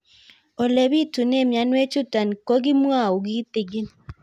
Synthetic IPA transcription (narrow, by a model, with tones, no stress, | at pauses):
o˨le˨bi˦tu˨ne˦˨mja˨nwe˦t͡ʃʊ˦ta˨nko˦ɡi˦m˦a˦˨u˨ɡi˦t̪i˨ɡi˦n